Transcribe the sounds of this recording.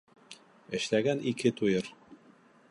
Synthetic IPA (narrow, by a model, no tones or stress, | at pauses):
ɘ̆ʃlæɡænikɘt̪ujɤɾ